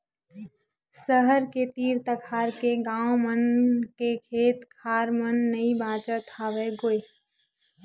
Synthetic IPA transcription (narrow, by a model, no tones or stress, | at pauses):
səɦəɾket̪iɾt̪əkʰaɾkeɡãwomənkekʰeːt̪kʰaɾmənːəibãt͡ʃət̪ʰaːʋɛɡoːe